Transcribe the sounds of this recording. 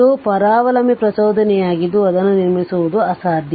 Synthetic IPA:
upɐɾaːʋɐlɐmipɾɐsɐwd̪ʱɐnɛjaːɡid̪ːuɐd̪ɐnːuniɾmisuʋud̪uɐsaːɾd̪ʱj

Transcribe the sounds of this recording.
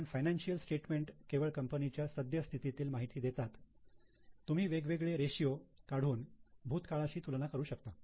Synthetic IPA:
nfajnanɕijəlsʈeʈmeɳʈkeʋəɭkəmpənit͡ɕjasəd̪ʱjəst̪ʰit̪it̪iːlmaɦit̪iːd̪et̪at̪ː | um̤iːʋeɡʋeɡɭeɾeɕijokaɽ̤uːnbʱuːt̪kaɭaɕiːt̪ulɳakəɾuːɕək̚t̪a

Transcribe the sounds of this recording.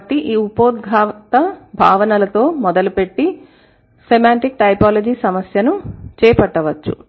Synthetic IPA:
ʈːiʔiːupoːd̪̚ɡʱaːt̪ɐbʱaːʋɐnɐlɐt̪o̞ːmɔd̪ɐlupe̞ʈːi | semaːɳʈik̚ʈɐjpaːlod͡ʒiːsɐmɐsjɐnut͡ʃɛːpɐʈːɐʋɐt͡ʃːṵ

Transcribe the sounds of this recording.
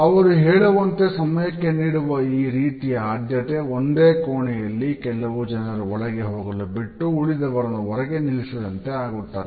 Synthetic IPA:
ɐʋɐɾuɦɛːɭɐʋɐnt̪e̞sɐmɐjɐkːe̞niːɽuʋɐiːɾiːt̪ijɐaːd̪jɐt̪eond̪eːkoːɳɛjɐlːikɛlːɐʋud͡ʒɐnɐɾuɔɭɐɡe̞ɦoːɡɐlubiʈːuuɭid̪ɐʋɐɾɐnuʋɔɾɐɡe̞nilisɐd̪ɐnt̪e̞aːɡuʈːaːɾe

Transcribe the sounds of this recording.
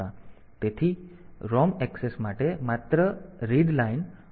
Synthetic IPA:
a | t̪et̪ʰiːɾɔmɛksesmaʈemat̪ɾəɾiɖlain

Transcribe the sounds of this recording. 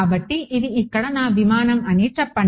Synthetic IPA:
bɐʈːiʔiðiikːɐɽɐnaːʋimaːnɐmɐneːʈt͡ʃɐpːɐɳ

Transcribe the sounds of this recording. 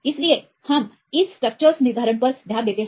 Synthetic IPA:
islie | hɐm | issʈɾək̚t͡ʃəɾsnid̪ʱaɾəɳpəɾsd̪ʱjad̪jet̪e

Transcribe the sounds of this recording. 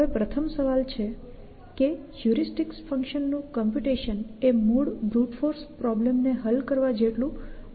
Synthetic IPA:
epɾət̪ʰəmsəʋalt͡ʃʰe | ke | d͡ʒuɾisʈiksfəŋkʃənːũkɔmpjuʈiʃənemuɽbɾuʈfoɾspɾɔblemneɦəlkəɾʋad͡ʒeʈlũ

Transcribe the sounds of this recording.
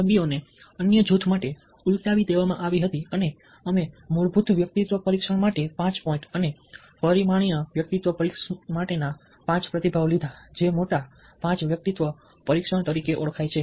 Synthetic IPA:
səmbijoneənjəd͡ʒut̪ʰmaʈe | ult̪aʋid̪eʋamãʔaʋiɦət̪iəne | əmemuɭbʱut̪ʰʋjək̚t̪it̪ʋəpəɾikʃəɳ̃maʈepãt͡ʃpɔĩɳʈəne | pəɾimaɽ̃ijãʋjək̚t̪it̪ʋəpəɾikmaʈena | pãt͡ʃpɾət̪ibʱaʋlid̪ʱad͡ʒemoʈa | pãt͡ʃʋjək̚t̪it̪ʋə | pəɾikʃəɳ̃t̪əɾikeʔoɭkʰajt͡ʃʰe

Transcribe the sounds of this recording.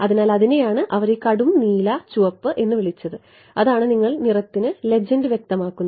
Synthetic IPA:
ɐðinaːlɐðinejaːɳɨʔɐʋɐɾekɐɽumniːlɐt͡ɕuʋɐpːɨʔe̞nːɨʋiɭit͡ɕːɐðɨ | ɐðaːɳɨniŋːɐɭnirɐt̪ːinɨle̞d͡ʑɐndɨʋjek̚t̪ɐmaːkːunː

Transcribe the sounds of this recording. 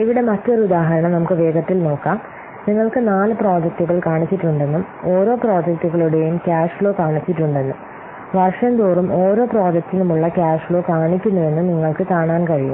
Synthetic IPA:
iʋiɽe̞mɐtːo̞ɾiud̪aːɦɐɾɐɳɐmnɐmukːɨʋe̞ːɡɐt̪ːilno̞ːkːaːm | niŋːɐɭkɨnaːlɨpro̞ːd͡ʑɐk̚tuɣɐɭkaːɳit͡ɕːiʈːuɳɖe̞nːum | oːɾo̞ːpro̞ːd͡ʑɐk̚tuɣɐɭuɽe̞jumkʲaːʂfɭo̞ːkaːɳit͡ɕːiʈːuɳɖe̞nːum | ʋɐrʂɐnd̪uːrumo̞ːɾo̞ːpro̞ːd͡ʑɐk̚tːinumuɭːɐkʲaːʂfɭo̞ːkaːɳikʲːunːɐðe̞nːɨniŋːɐɭkɨkaːɳaːnkɐɻijṵm

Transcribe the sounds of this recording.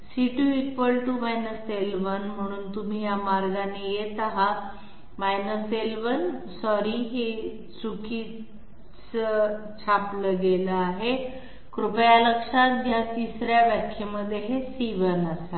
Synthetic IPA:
siʈuikʋəlʈumajnəselʋənm̤əɽ̃uːnt̪um̤iːjamaɾɡanejet̪aɦa | majnəselʋənsɔɾiɦe | t͡sukiː | t͡sə | t͡ɕʰapləɡeləaɦe | kɾupjaləkʂat̪̚ɦjat̪isɾjaʋjakʰjeməd̪ʱːjeɦesiʋənasa

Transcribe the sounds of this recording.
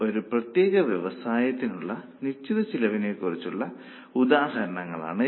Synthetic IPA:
o̞ɾuprɐt̪jeːɣɐʋjeʋɐsaːjɐt̪ːinuɭːɐ | nit͡ɕːiðɐt͡ɕilɐʋineːkurit͡ɕːuɭːɐ | ud̪aːɦɐɾɐɳɐŋːɐɭa̰ːɳɨ

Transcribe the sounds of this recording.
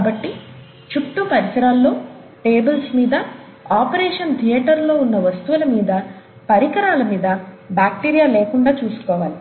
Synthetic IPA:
kaːbɐʈːi | t͡ʃuʈʈːupɐɾisɐɾaːlːo̞ː | ʈeːbɐlsmiːd̪ɐ | aːpɐɾeːʂɐnt̪ʰijɛːʈɐɾlo̞ːunːɐʋɐst̪uʋulɐmiːd̪ɐ | pɐɾikɐɾaːlɐmiːd̪ɐ | baːk̚ʈiːɾijaːleːkuɳɖaːt͡ʃuːsu̥kɔːʋaːli

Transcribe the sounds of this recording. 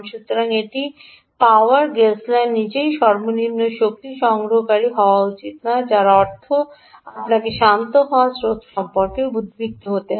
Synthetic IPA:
nʃut̪ɾoɾaŋeʈi | paoaɾɡeslanːit͡ɕejʃɔɾmonimnoʃok̚t̪iʃɔŋɡɾoɦkaɾiɦɔoaut͡ɕit̪nad͡ʑaɾaɔɾt̪ʰo | apnakeʃant̪oɦaasɾot̪ʃɔmpoɾkebud̪ʱbik̚t̪oɦot̪e

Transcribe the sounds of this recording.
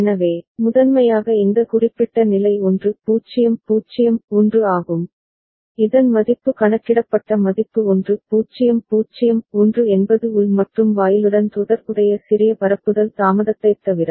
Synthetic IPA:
ɛnɐʋeːmʊðɐnmɐjaːɣɐɛnd̪ɐkʊrɪpːɪʈːɐnɪlɐɪɔndrɯpuːt͡ʃɪjɐmpuːt͡ʃɪjɐmɔndrɯaːɣɯm | ɪðɐnmɐðɪpːɯkɐɳɐt͡ʃːɪɽɐpːɐʈːɐmɐðɪpːɯɔndrɯpuːt͡ʃːɪjɐmpuːt͡ʃːɪjɐmɔndrɯɛnbɐðɯʊlmɐʈrɯmʋaːjɪlɯɽɐnt̪ʊðɐɾkɯɽɐjɐsɪɾɪjɐpɐɾɐpːɯðɐlsaːmɐðɐt̪ːɐɪt̪ːɐʋɪɾɐ

